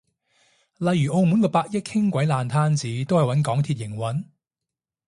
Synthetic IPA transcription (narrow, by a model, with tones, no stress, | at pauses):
lɐ˨˧jɥyː˨˩ʔo˧wmu˨˥nkɔː˧paː˧k̚jɪ˥k̚hʰɪ˥ŋkʷɐ˨˥jlaː˨˧nt̪ʰaː˥nt͡siː˨˥t̪o˥whɐ˨jwɐ˨˥nkɔː˨˥ŋt̪ʰiː˧t̚jɪ˨˩ŋwɐ˨˥n